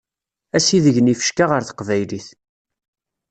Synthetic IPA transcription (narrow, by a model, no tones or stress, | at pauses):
æsiðəʝənifə̥ʃkaʁəɾθə̥qvæjliθ